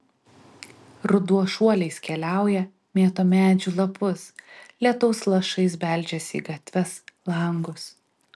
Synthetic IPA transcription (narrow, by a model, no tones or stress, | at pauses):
ɾʊd̪uɔʃuɔlʲɛɪskʲɛlʲæˑʊjɛ | mʲeːt̪oːmʲæːd͡ʒʲulˠɐpʊslʲiɛt̪ɐʊslˠɐʃɐɪsbʲɛˑlʲd͡ʒʲɛsʲḭːɡɐt̪ʲʋʲɛslˠɐŋɡʊs